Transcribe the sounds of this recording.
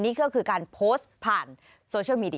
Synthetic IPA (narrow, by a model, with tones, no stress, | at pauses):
nːiː˦˥˩kɔ˥˩kʰɯː˧kaː˧npʰoː˦˥st̪̚pʰaː˨˩n | soː˧t͡ɕʰɯ˥˩wmiː˧di˧